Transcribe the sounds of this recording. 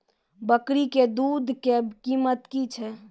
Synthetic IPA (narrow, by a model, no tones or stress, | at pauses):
bəkɾiked̪ud̪ʱkekimət̪kit͡ʃʰɛ